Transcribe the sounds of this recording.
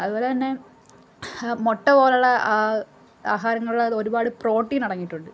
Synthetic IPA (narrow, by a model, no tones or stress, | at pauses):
ɐðuboːlet̪ɐnːe̞ | moʈːɐboːlɐɭɐ | aːɦaːɾɐŋːɐɭuɽɐo̞ɾubaːɽɨpro̞ːʈːinɐɽɐŋːiʈːuɳɖɨ